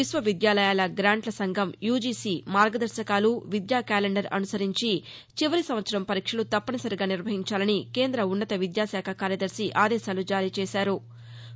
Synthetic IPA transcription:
ʋisʋɐʋid̪jaːlɐjaːlɐɡɾaːɳʈlɐsɐŋɡʱɐmjuːd͡ʒiːsiːmaːɾɡɐd̪ɐɾʃɐkaːluʋid̪jaːkaːleɳɖɐɾɐ̰nusɐɾiɲt͡ʃi | t͡ʃiʋɐɾisɐmʋɐt̪sɐɾɐmpɐɾiːkʂɐlut̪ɐpːɐnɐsɐɾiɡaːniɾʋɐɦiɲt͡ʃaːlɐnike̞ːnd̪ɾɐunːɐt̪ɐʋid̪jaːsaːkʰɐkaːɾjɐd̪ɐɾsiʔaːd̪ɛːʃaːlud͡ʒaːɾiːt͡ʃɛːsaːɾu

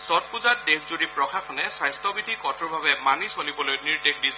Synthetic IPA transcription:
sɔt̚puzat̚dekʰzudipɹɔkʰakʰɔnɛsajstɔbidʱikɔtʰʊɹbʱabɛmanisolibɔlojniɹdek̚ʰdisɛ

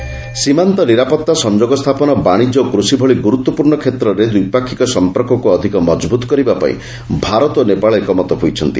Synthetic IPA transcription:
simant̪ɔniɾapɔt̪ːasɔnd͡ʒoɡɔst̪ʰapɔnɔbaɽ̃id͡ʒɔkɾusibʱɔɭiɡuɾut̪ːɔpuɾɳɔkʰet̪ɾɔɾed̪ujpakʰːikɔsɔmpɔɾkʰɔkuɔd̪ʱikɔmɔd͡ʒbut̪ɔ̥kɔɾibapa̰ḭ̃ | bʱaɾɔt̪onepaɭɔekɔmɔt̪ɔɦujt͡ʃʰɔnt̪i

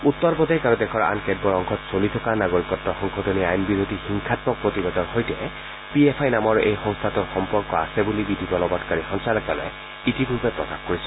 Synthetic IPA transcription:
ut̪ːɔɹpɔdajkaɹudɛkʰɔɹa̰nkɛd̚bɔɹɔŋkʰɔtsolitʰɔkanaɡoɹikɔtːɔxɔŋxʰɔdɔniajnbiɾotixiŋkʰatbɔk̚pɹotibedɔnxojtɛ | piepʰajnamɔɹejxɔŋst̪ʰatʊɹxɔmpɔɹkɔa̰sɛbulibidʱibɔlɔbɔtkaɹixɔŋsalɔkalɔ̰j | itibʱupɛpɹɔkaxkoɹisɔ̥

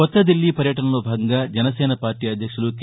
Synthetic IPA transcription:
ɔt̪ːɐd̪ilːipɐɾjɐʈɐnɐlubʱaːɡɐŋɡɐd͡ʒɐnɐsɛːnɐpaːɾʈijɐd̪ʱjɐkʂɐluk

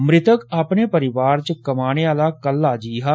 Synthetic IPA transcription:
mɾɪt̪əkaːpneːpəɾɪʋaːɾt͡ʃəkəmaːñeaːlaːkəlːaːd͡ʒiːɦaː

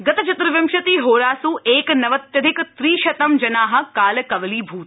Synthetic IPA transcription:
ɡɐt̪ɐt͡ʃɐt̪ɾɐʋɐmʃɐt̪iːɦoːɾaːsuʔeːknɐʋɐt̪jɐd̪ʱɪkt̪ɾiːʃɐt̪ɐmd͡ʒɐnaːɦɐ̆kaːlkɐʋliːbʱuːt̪

